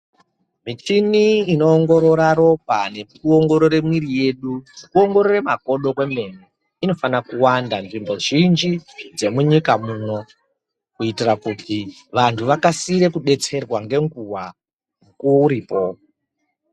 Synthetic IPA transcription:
mit͡ʃiniːno̞ːŋɡo̞ɾo̞ɾaɾo̞pane̞ | uoŋɡo̞ɾo̞ɾe̞mwiɾije̞ɗukuo̞ŋɡo̞ɾoremako̞ɗo̞kwe̞me̞ni | ino̞fanakuwandanʐimbo̞ʒind͡ʒid͡ze̞muɲikamuno̞ | kuitirakuti | ʋantʰuʋakasiɾe̞kuɗe̞t͡se̞rwaŋɡe̞ŋɡuwa | mukuwouɾiːpo̞

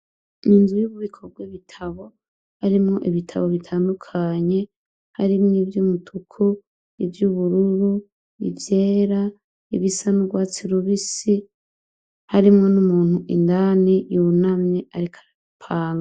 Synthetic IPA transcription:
ninzujuβuβikʰobɡwiβitʰaβo̞ | haɾimŋo̞ʔiβitʰa̰βo̞βitʰaːndukʰaɲe̞ | haɾimŋivjuːmutʰukʰu | ivjuβuɾuɾu | ḭvje̞ːɾa | iβisanuɡwaːt͡siɾuβisi | haɾimŋo̞numuːn̥huʔḭndanijunamɲeʔaɾikʰḁɾaβupʰaːŋɡa

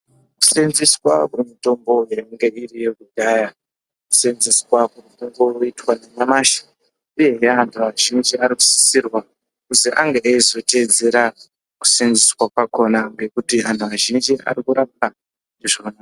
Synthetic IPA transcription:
ku̥senziswakuimito̞mbo̞jeiŋɡe̞irije̞ɡudaːja | ku̥senziswakuritoŋbo̞roitwaneɲamaːʃḁ | uje̞ɦeantʰuaʒind͡ʒiaɾiku̥si̥sirwa | kusiʔaŋɡeːizo̞te̞ːd͡ze̞ɾa | ku̥senziswakwako̞naŋɡe̞kutian̤tʰuaʒind͡ʒia̰ɾikuɾap̚a | neʐona

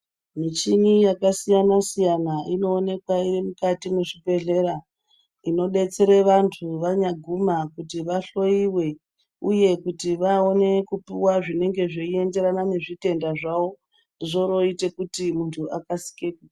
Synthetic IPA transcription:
mit͡ʃinijakasijanasijanaino̞ːne̞kwaiʋe̞mukatimweʐibe̞ɮe̞ɾa | ino̞ɗe̞t͡se̞ɾe̞ʋantʰuʋaɲaɡʱumakutiʋaɬo̞iwe̞ | uje̞kutiʋao̞ne̞kupiwaʐine̞ŋɡe̞ʐeie̞nde̞ɾanane̞ʐite̞ndaʐao̞ | ʐo̞ɾo̞ite̞kutimuntʰuʔakasi̥keku

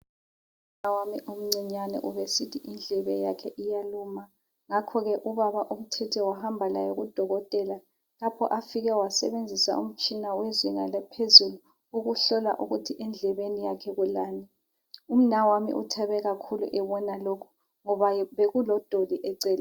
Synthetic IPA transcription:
um̩nawamiʔom̩ŋ͡ǀiɲanɛ̰ʔuβesitʰiʔind͡ɮʱɛβɛjakʰɛʔijaluma | ŋakʰɔɣɛʔuβaβaʔum̩tʰɛtʰɛwahambʱala̰jɔɣud̥ʱɔɣɔtʼɛla | lapʰɔ̰ʔafiɣɛwasɛ̰βend͡zʱisa̰ʔṵm̩t͡ʃʼinawɛzwiŋalɛpʰezulu | uɣuɬɔla̰ʔuɣutʰiʔɛnd͡ɮʱɛβenijakʰɛɣulaːnɛ | um̩nawamḭʔṵtʰɛβɛɣakʰulṵʔɛβɔnalokʰu̥ | ŋɔβaβeɣulɔd̥ʱoliʔɛǀɛːla

